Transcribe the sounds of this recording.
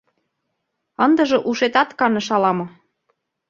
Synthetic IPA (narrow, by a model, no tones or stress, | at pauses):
ɤ̆nd̪ɤ̆ʒɤ̆ʔuʃet̪ɑt̪kɑnɤ̆ʃɑlɑmɤ̆